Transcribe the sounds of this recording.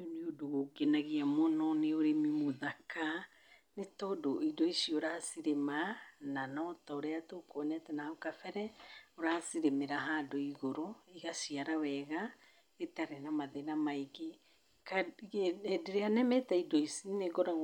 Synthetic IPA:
oniodoɣokenaɣiamɔnɔneoɾemimoðakʰa | netɔdoidɔisioɾasiɾemananɔtaoɾeatokonɛtɛnaokafɛɾɛoɾasiɾemeɾaɦaːdoiɣoɾoiɣasiaɾawɛɣa | etaɾenamaðenamaiɡe | kaɛdeɾeanɛmɛtaidoisineɡɔɾa

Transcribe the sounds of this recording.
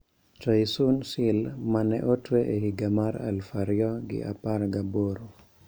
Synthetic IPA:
t͡ʃajsunsɪlmanɛ̰ʔotweʔehiɡamaɾa̰lfaɾjɔɡɪ̰ʔa̰parɡaboɾo

